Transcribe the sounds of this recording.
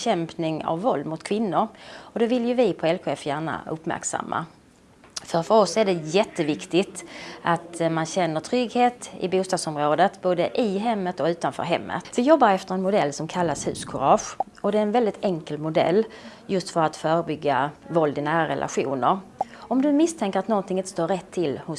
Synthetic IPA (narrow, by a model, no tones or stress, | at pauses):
ɕɛmpnɪŋa̰vːɔld̪mʊt̪kʰvɪnːʊɾɔd̪ɛvɪljɵvɪpʰɔɛlɧeːfjæːɳa̰ɵpːmæ̰ɾksa̰mːa̰ | fœɾfœɾɔsæɖɛjɛt̪ːəvɪkt̪ɪt̪ʔat̪manɕɛnːəʈʰɾʏɡheːt̪ɪ̰buːst̪ɑːd̪sɔmɾoːd̪ət̪boːd̪əʔɪɦɛmːət̪ɔʉ̟ːt̪anfœ̰ːɾɦɛ̰mːə̰t̪vɪjɔbːaɾɛft̪əɾɛnmʊd̪ɛlːsɔmkʰalːashʉ̟̰ːskʰʊɾɑːɧ | ɔd̪ɛːɾɛnvɛld̪ɪt̪ɛŋkəlmʊd̪ɛ̰lːjɵst̪fœɾat̪fœːɾəbʏɡːavɔld̪ɪnæːɾaɾɛ̰lʔa̰ɧṵːnəɾɔmd̪ɵmɪst̪ʰɛŋkəɾat̪nɔnt̪ʰɪŋɪnt̪əst̪oːɾɛt̪ʰːɪlhʊ